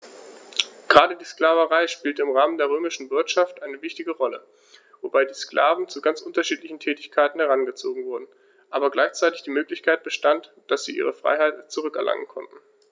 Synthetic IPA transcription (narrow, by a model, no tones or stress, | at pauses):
ɡ̥ʁaːdədiːsklaːvəʁaɪʃpiːltəɪmʁaːməndeːɐʁ̞øːmɪʃn̩vɪɐtʃaftʔaɪnəvɪçtɪɡəʁɔlə | vobaɪdiːsklʔa̰ːvn̩t͡suɡant͡sʔʊntɐʃiːtlɪçn̩tʰɛːtɪçkʰaɪtn̩hɛʁanɡət͡soːɡŋ̩vʊɐdn̩ | ʔaːbɐɡlaɪçt͡saɪtɪçd̥iːmøːklɪçkʰaɪt̚b̥əʃtant | d̥asz̥ḭːʔḭːʁəfʁ̥a̰ɪɦaɪtt͡suʁʏkɛɐlʔa̰ŋə̰nkʰɔ̰ntn̩